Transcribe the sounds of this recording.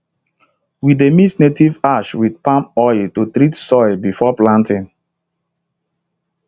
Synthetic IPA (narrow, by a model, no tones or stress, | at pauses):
widemisnetivaʃwidpãmpɔɪltutɾitsɔɪbifɔplãntĩn